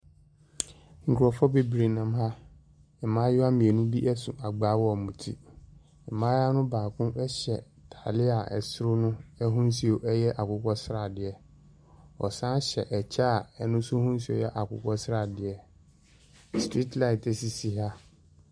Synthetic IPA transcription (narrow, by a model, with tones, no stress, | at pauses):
ŋ̩˨kʰɔ˨fɔ˦be˨bɾe˨nã˨mɦa˦ | ɛ˨mã˦jʊ˦a˦mĩ˨e˨nʊ̃˦bi˦ʔɛ˦sũ˨ʔa˨ɡ͡baː˨˦wɔ˦˨mũ˨tʰḭ˦ | ɛ˨mãː˦a˦nʊ̃˦baː˨kʰʊ̃˦ʔɛ˦ɕɛ˨ | tʰa˨lɪ˦a˨ɛ̰˨sɾʊ˦nʊ̃˦ɛ˦ɦũ˦n˦si˨o˨ʔɛ˦jɛ˦ʔa˨kʊ˦kʷɔ˦sɾa˨dɪ˨ɛ˨ | ɔ̰˨sã˦ɕɛ˨ʔɛ˨t͡ɕʰa˦˨ɛ˦nʊ̃˦sʊ̃˦hũ˦n˦s̬i˦o̰˨jɛ˦ʔa˨kʊ̰˨˦kɔ˦sɾa˨dɪ˨ɛ˨ | stɾi˦tla˦ɪ˨tɛ˨si˨si˨ɦa˦